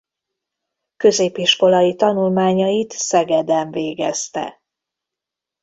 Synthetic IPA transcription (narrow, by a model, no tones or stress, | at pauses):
kø̞zeːpiʃko̞lɒjit̪ɒnulmaːɲɒjit̪sɛɡɛd̪ɛɱveːɡɛst̪ɛ̰